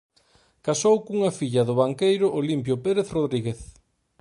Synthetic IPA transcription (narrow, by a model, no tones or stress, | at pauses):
kasowkuŋɐfiʎɐðʊβaŋkejɾʊʔolimpjʊpeɾeθroðɾiɣeθ